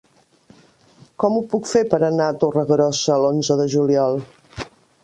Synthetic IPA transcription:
kɔmupukfepəɾənaət̪orəɣɾɔsəːlonzəðəʒuliɔlˠ

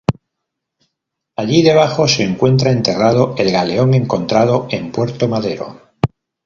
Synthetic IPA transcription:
aʎiðe̞β̞axo̞se̞ːŋkwe̞nt̪ɾae̞nt̪e̞rað̞oe̞lɣale̞o̞ŋe̞ŋko̞nt̪ɾað̞oe̞mpwe̞ɾt̪omaðe̞ɾo̰

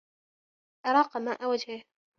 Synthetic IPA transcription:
ʔɑɾˤɑːqɑmaːʔawad͡ʒhɪ

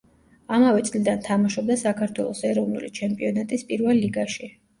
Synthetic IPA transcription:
amavɛt̪sʼlid̪ant̪ʰamaʃɔb̚d̪asakʰaɾt̪ʰwɛ̰lˠɔsɛɾɔvnṵlit͡ʃʰɛmpʼiɔnat̪ʼispʼiɾvɛlːiɡaʃi

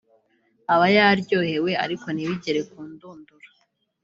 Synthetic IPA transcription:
aβajaɾɟo̞ːhe̞we̞a̰ɾiko̞niβiɟeɾe̞kuːnduːnduɾḁ

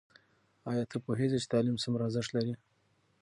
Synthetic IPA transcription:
ɑjɑt̪ʰəɾpoɦezet͡ʃe̥t̪ɑlimsəmɾɑzɪʂlaɾi

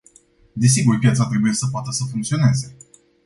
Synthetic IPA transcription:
d̪es̬iɡurpjat̪sat̪ɾe̞bujesəp̬oat̪əsəfuŋkt̪sio̞ne̞ze̞

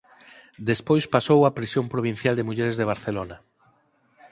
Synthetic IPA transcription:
d̪espojspasowapɾisjompɾoβ̞ĩn̟θjald̪emuʎɛɾezðeβ̞aɾθelona

